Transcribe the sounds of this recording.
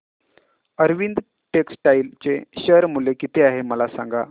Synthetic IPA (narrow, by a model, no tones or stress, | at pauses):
əɾʋind̪ | ʈeksʈailt͡seɕəɾmulekit̪ʰeaɦeməlasã̰ŋɡa